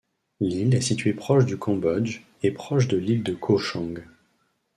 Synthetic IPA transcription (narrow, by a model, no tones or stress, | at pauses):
lilɛsit̪ɥepχɔʃd̪ykɑ̃bɔd͡ʒ | epχɔʃ̬d̪əlild̪əkʰoʃɑ̃ɡ